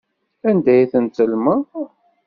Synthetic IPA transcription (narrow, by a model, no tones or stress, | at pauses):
ænd̪æjθənt̪əlmə